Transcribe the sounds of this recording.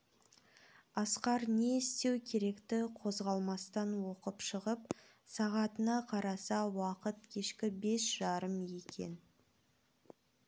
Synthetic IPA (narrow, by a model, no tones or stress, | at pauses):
ɑsqɑɾne̞ɪst̪e̞wkʲʰe̞ɾe̞kt̪ɪqʰo̞zʁɑlˠmɑst̪ɑnwo̞qəpʃəʁəp | sɑʁɑt̪ənɑqʰɑɾɑsɑwɑqət̪̚kʲʰe̞ʃkʲɪbe̞sʒ̥ɑɾəmje̞kʲʰe̞̰n